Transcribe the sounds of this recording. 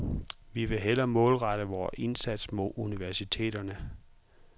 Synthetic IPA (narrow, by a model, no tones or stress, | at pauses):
ʋiʋe̝ɦel̰ɐmɔ̽ːlʁɑɾ̥əʋɒːe̝nsæd̥smo̝ðˠuniʋæɐsit͡sʰe̝̰ːdɐnə